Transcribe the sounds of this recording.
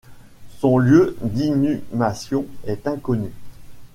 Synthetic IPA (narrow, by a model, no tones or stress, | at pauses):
sɔ̃ljød̪inymasjɔ̃ɛt̪ɛ̃kɔny